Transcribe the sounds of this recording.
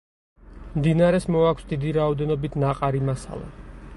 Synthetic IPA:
md̪inaɾɛsmɔakʷʰsd̪id̪iɾaɔd̪ɛnɔbit̪ʰnaqʼaɾimasa̰lˠa̰

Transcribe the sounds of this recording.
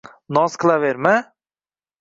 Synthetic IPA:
nɒskʰlˠaveɾma

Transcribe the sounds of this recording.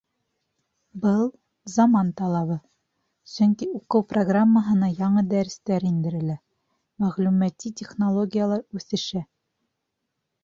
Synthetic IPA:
bɤlˠ | zɐmɑnt̪ɑlˠɑβɤð | sɵŋkiuqɤwproɡramːəɦɤ̆nɑjɑɴɤd̪æɾɘ̆st̪æɾind̪ɘ̆ɾɘ̆læ | mæʁlʉmæt̪ːitʲeχnolˠoɡʲijəlˠɑɾʉθɘ̆ʃæ

